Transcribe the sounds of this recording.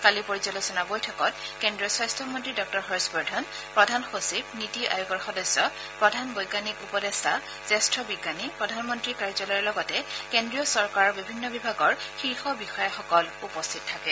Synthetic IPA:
kalipoɹizɔlɔsɔnabojtʰɔkɔt̚kendɹiɔswastʰɔmɔntɹidɔk̚tɔɹxɔɹsbɔɹdʱɔn | pɹɔdʱanxosip̚nitiʔa̰juɡɔɹxɔdɔsːɔ | pɹɔdʱanbɔjɡanikupɔdestʰa | z̥ɛstɹɔbiɡːanipɹɔdʱanmɔntɹikaɹzɔlɔjɔlɔɡɔtɛkendɹijɔsɔɹkaɹɔɹbibʱinːɔbibʱaɡɔɹxiɹxɔbixɔjaxɔkɔlupɔstʰit̚tʰakɛ

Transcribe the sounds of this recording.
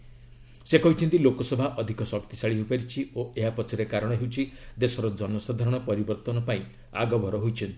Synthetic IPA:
sekɔɦit͡ʃʰɔnt̪ilokɔsɔbʱaʔɔd̪ʱikɔsɔkt̪isaɭiɦopaɾit͡ʃʰioeɦapɔt͡ʃʰiɾekaɾɔɽ̃ɔɦewt͡ʃʰid̪esɔɾɔd͡ʒɔnɔsad̪ʱaɾɔɽ̃ɔpɔɾibɔɾt̪ɔnɔpaĩ | a̰ɡɔbʱɔɾɔɦojt͡ʃʰɔnt̪i

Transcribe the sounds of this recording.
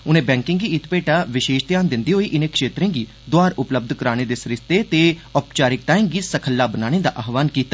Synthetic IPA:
ʊnẽːbɛ̃ːŋkɪ̃ŋɡiːɪt̪peːʈaːʋɪʃeːʃt̪jaːnd̪ɪnd̪iːɦoːiːʔɪnẽːkʃeːt̪ɾẽːɡiː | d̪ʊaːɾʊpləb̚d̪ʱkəɾaːñeːd̪eːsɾɪst̪eːt̪eːɔpt͡ʃaːɾɪk̚ʈaːimɡiːsəkʰəlːaːbənaːñeːd̪a̰ːʔaːɦʋaːnkiːt̪ːaː

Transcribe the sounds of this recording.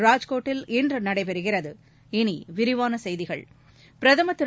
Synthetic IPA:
ɾaːd͡ʒkoːʈːɪlɪndrɯnɐɽɐɪpɛɾɯɣɪrɐðɯ | ɪniʋɪɾɪʋaːnɐsɛjðɪɣɐ̰ɭ | pɪɾɐðɐmɐt̪ːɯ

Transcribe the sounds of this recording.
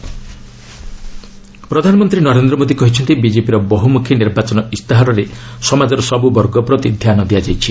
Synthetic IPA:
pɾɔd̪ʱanɔmɔnt̪ɾinɔɾend̪ɾɔmod̪ikɔɦit͡ʃʰɔnt̪ibid͡ʒepiɾɔbɔɦumukʰjɔniɾbat͡ʃɔnɔist̪aɦaɾɔɾesɔmad͡ʒɔɾɔsɔbubɔɾɡɔpɾɔt̪id̪ʱjanɔd̪iad͡ʒajt͡ʃʰi

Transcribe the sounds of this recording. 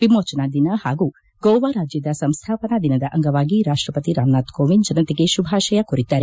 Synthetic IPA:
ʋimoːt͡ʃɐnad̪inɐhaːɡuː | ɡɔwʋaɾaːd͡ʒjɐd̪ɐsɐmst̪ʰaːpɐnɐd̪inɐd̪ɐʔɐŋɡɐʋaːɡiɾaːʂʈɾɐpɐt̪iɾaːmnaːt̪koːʋind͡ʒɐnɐt̪eɡeʃubʱaːʃɐjɐkuɾit̪ːaːɾe

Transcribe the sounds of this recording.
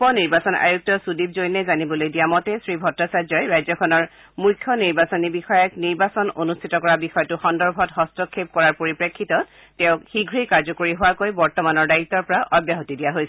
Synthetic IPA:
pɔniɹbasɔna̰juk̚tɔsudib̚zojnɛzanibɔlojdijamɔtɛsɹibʱɔtɹasazɔjɹajzɔkʰɔnɔɹ | mukʰːjɔniɹbasɔnibixɔjɛkniɹbasɔnonustʰitɔkɔɹabixɔjɔtʊxɔndɔɹbʱɔtɦɔstɔkʰːep̚kɔɹaɹpoɹipɹekʰːitɔt | tɛ̃ʊ̃xiɡʱɹikaɹzɔkoɹiɦʊwakojbɔɹtɔmanɔɹdait̪ːɔɹpɔɹaʔɔbjaɦotidijaɦojsɛ

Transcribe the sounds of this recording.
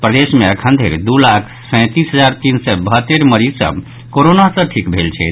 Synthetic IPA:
pɾəd̪esmeəkʰənd̪ʱeɾd̪ulakʰsə̃ɪ̃t̪isɦəd͡ʒaɾt̪insɛbəɦət̪ːeɾməɾizsə̰b | koɾonasəʈʰikbʱelt͡ʃʰɛ̰

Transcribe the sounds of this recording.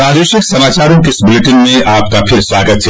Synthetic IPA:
ɾaːd͡ʒeːʃɪksɐmaːt͡ʃaːɾõkɪsbʊleʈɪnmẽʔaːp̚kapʰɪɾswaːɡət̪̚t͡ʃʰe

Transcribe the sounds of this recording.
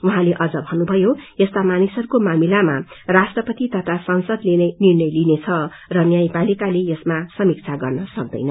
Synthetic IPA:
uɦãleʔʌd͡zʌbʱʌnubʱʌjoest̪amanisʌɾukomamilamarasʈrʌpʌt̪it̪ʌt̪ʰasʌnsʌd̪lenʌnirnʌjlinet͡sʰʌ | rʌnjajpalikaleesmasʌmik̚t͡sʰaɡʌrnʌsʌk̚d̪ʌ̰jnʌ

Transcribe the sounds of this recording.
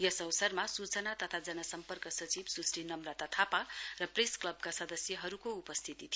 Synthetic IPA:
jʌsʌwsʌrmasut͡sʌnat̪ʌt̪ʰad͡zʌnʌsʌmpʌrkʌsʌt͡sibsusʈinʌmrat̪at̪ʰaparʌpresklʌb̚kasʌd̪ʌsjʌɦʌɾukoupʌst̪ʰit̪it̪ʰi

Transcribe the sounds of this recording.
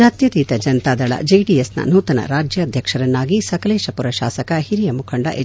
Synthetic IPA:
aːt̪jɐt̪it̪ɐd͡ʒɐnt̪aːd̪ɐɭɐ̰d͡ʒiːɖijesnɐ̰nuːt̪ɐnɐ̰ɾaːd͡ʒjɐd̪ʱjɐkʂɐɾɐnːaːɡisɐkɐleːʃɐpuɾɐʃa̰ːsɐkɐhiɾijɐmukʰɐɳɖɐ̰ʔe

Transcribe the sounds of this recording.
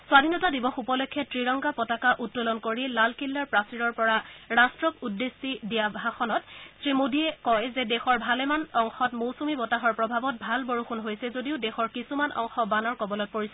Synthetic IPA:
swadʱinɔtadibɔxupɔlokʰːɛtɹiɹɔŋɡapɔtakaʔutːolɔnkoɹilalkilːaɹpɹasiɹɔɹpɔɹaɹastɹɔkudːesidijabʱaxɔnɔtsɹimodʱiɛkɔjzɛdɛxɔɹbʱalɛmanɔŋxɔtmowsumibɔtaɦɔɹpɹɔbʱabɔt̚bʱalboɹuxunɦojsɛzodiʊdɛxɔɹkisumanʔɔ̰ŋxɔbanɔɹkɔbɔlɔt̚poɹisɔ

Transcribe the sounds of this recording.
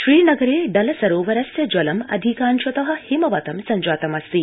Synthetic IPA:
ʃɾiːnɐɡɐɾeːɖɐlɐsɐɾoːʋɐɾɐsjɐd͡ʒɐlɐmɐ̰d̪ʱikaːnʃɐt̪ɐɦɐ̆himɐʋɐt̪ɐmsɐɲd͡ʒaːt̪ɐmɐst̪i

